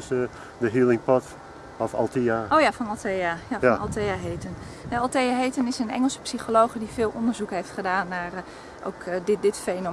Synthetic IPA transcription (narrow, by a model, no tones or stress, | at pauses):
sə | dəɦiəlˠɪŋpɔt | ɔfɔ̰lˠtiaowjafɔnɔlˠtʰejajafɔnɑ̰lˠtejaɦejtən | ɛɑlˠtejaɦejtənɪsənɛ̰ŋəlˠsə̥psiχolowχədifɪːlˠʔɔndəɹzukɦejftχədaːnːaːr | ʔo̰wkdɪdɪtfejno